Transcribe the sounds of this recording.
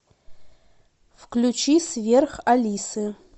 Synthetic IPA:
fkʰlʲut͡ʃʰisvʲerχalʲisɨ

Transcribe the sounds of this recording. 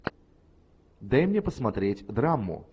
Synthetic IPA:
d̪ɐjmnʲepəsmɐt̪ɾʲetʲd̪ɾamːʊ̰

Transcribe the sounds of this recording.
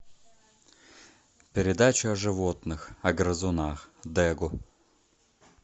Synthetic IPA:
pʲɪɾʲɪd̪at͡ɕʊɐʐɨvot̪nɨxɐɡɾəzʊnaxd̪ɛɡʊ

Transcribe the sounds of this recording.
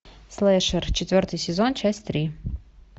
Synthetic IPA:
slˠɛʂərt͡ɕɪt̪vʲort̪ɨjsʲɪzont͡ɕasʲt̪ɾʲi

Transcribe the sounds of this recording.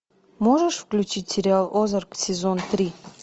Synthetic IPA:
moʐəʂfklʲʉt͡ɕitʲsʲɪɾʲɪalˠozərksʲɪzont̪ɾʲi

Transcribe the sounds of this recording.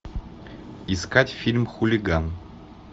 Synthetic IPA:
iskatʲfʲilʲmxulʲɪɡan

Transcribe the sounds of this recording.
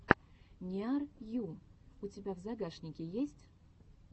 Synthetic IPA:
nʲiarjuutʲɪbʲavzaɡaʂnʲɪkʲejesʲtʲ

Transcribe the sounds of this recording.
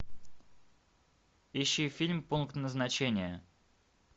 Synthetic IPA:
iɕːifʲilʲmpunkt̪nəznɐt͡ɕenʲɪjə

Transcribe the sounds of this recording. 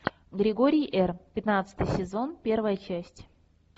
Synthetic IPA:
ɡɾʲɪɡoɾʲɪjʔɛrpʲɪt̪nat̪sɨ̥t̪ɨjsʲɪzo̞npʲervəjət͡ɕæsʲtʲ

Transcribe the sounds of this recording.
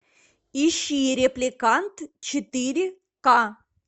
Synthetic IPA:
iɕːijɾʲɪplʲɪkant̪t͡ɕɪt̪ɨɾʲɪ | ka

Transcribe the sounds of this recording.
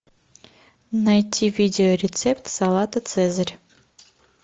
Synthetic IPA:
nɐjtʲːivʲidʲɪoɾʲɪt̪sɛpt̪sɑlˠɑt̪ət̪sɛzəɾʲ

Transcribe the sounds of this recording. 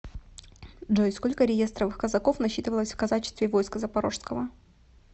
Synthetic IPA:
ʐojsko̞lʲkəɾʲɪje̞st̪ɾəvɨxkəzɐko̞fnɐɕːit̪ɨvəlˠəsʲfkɐzat͡ɕɪst̪vʲɪvo̞jskəzəpɐɾo̞ʂskəvə

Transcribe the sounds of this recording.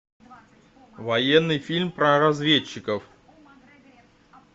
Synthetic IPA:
vɐjenːɨjfʲilʲmpɾəɾɐzvʲet͡ɕːɪkəf

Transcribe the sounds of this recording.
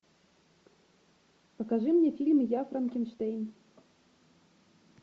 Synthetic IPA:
pɐkaʐɨmnʲɛfʲilʲmjafɾankʲinʂt̪ejn

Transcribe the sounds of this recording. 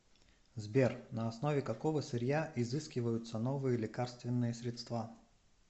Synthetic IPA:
zbʲernɐɐsnovʲɪkɐkovəsʲɪɾʲjaʔɪzɨskʲɪvəjʊt̪sənovɨjəlʲɪkarst̪vʲɪnːɨjəsʲɾʲɪt̪st̪va

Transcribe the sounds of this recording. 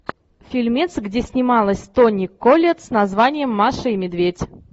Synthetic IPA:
fʲilʲmʲet̪sɡdʲesʲnʲɪmalˠəsʲt̪onʲɪkːolʲet̪snɐzvanʲɪjəmːaʂəimʲɪd̪vʲetʲ

